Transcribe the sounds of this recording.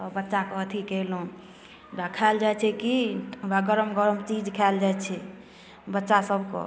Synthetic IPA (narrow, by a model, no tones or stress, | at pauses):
t̪ɔbətːʃakət̪ʰikelɦũ | bakʰald͡ʒajt͡ʃʰɛkibaɡəɾəmɡəɾəmt͡ʃid͡ʒkʰɛld͡ʒajt͡ʃʰɛ | bətːʃasəbkɔ̰